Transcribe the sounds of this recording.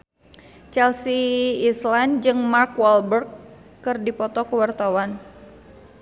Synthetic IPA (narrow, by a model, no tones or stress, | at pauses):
t͡ʃɛlsiːsland͡ʒɨŋmarkwɔlbərkː | ɨrdipɔt̪ɔkəwart̪awan